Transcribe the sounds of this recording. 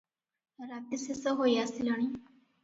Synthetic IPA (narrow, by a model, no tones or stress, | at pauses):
ɾat̪isesɔɦojasilɔɽ̃i